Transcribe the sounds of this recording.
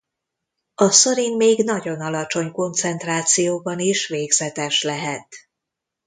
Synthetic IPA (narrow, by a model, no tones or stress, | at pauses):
ɒsoɾinmeːɡn̪ɒɟo̞nɒlɒt͡ʃo̞ɲko̞nt̪sɛnt̪raːt̪sijoːbɒniʃveːɡzɛt̪ɛʃlɛɦɛt̪